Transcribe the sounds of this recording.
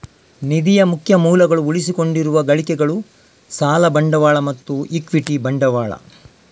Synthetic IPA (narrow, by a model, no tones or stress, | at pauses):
nid̪ijɐmukʰjɐmuːlɐɡɐɭuuɭisiko̞ɳɖiɾuʋɐɡɐɭikɛɡɐɭu | saːlɐbɐɳɖɐʋaːɭɐmɐt̪ːuikʋiʈibɐɳɖɐʋaːɭɐ̰